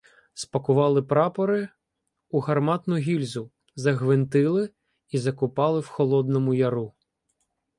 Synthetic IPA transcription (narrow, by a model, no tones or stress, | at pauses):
spɐkʊʋɑlˠɪpɾɑpɔɾɪ | uɦɐrmɑt̪nʊɦʲilʲzʊ | zɐɦʋɪnt̪ɪlˠɪ | izɐkʊpɑlˠɪwxɔlˠɔd̪nɔmʊjɐɾu